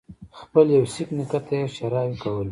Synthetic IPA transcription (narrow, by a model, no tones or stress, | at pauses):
xpəljawsiknikat̪ajeʃaɾɑwkawəl